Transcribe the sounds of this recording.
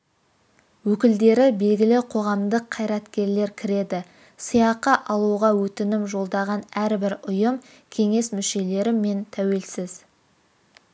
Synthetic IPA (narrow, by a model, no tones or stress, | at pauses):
wɵkʲɪld̪e̞ɾɪbe̞lɡʲɪlɪqʰo̞ʁɑmd̪əqʰːɑjɾɑt̪kʲe̞ɾle̞ɾkʲʰɪɾe̞d̪ɪ | sijɑqəʔɑlˠuʁɑwɵt̪ɪnɪmʒo̞lˠd̪ɑʁɑnæɾbɪɾʊjəm | kʲʰe̞ŋe̞smʏʃe̞le̞ɾɪme̞nt̪ʰæwe̞lsɪz